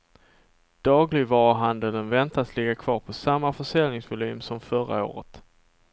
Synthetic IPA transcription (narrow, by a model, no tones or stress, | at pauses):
d̪̥ɑːɡlɪɡvɑːɾɦand̪ələnvɛnt̪aslɪɡakʰv̥ɑːɾpʰɔsamːafœʂɛlnɪŋsvʊlyːmsɔmfœɾa̰o̰ːɾə̰t̪